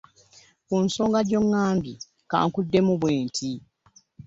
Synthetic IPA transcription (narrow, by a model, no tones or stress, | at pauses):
kunsoːŋɡadɟo̞ŋːaːmbi | ka̰ːŋkudːe̞muβweːntʰi